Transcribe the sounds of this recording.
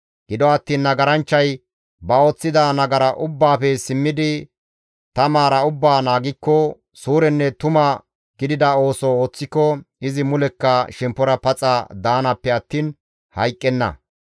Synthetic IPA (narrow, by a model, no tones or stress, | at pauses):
ɡ̥ɪd̪ɔɐt̪ːiːnːɐɡɐɾɐnt͡ʃːɐj | bɐo̞ːt͡sːɪd̪ɐnɐɡɐɾɐʔʊbːaːpɛsɪmːɪd̪ɪ | t̪ɐmaːɾɐʊbːaːnaːɡɪkːɔ | suːɾɛnːɛt̪ʊmɐ | ɡ̥ɪd̪ɪd̪ɐo̞ːsɔoːt͡sːɪkːɔɪzɪmʊlɛkːɐʃɛmpːɔɾɐpɐt͡sʼɐd̪aːnɐpːɛɐt̪ːiːn | hɐ̰jkʼːɛnːɐ̰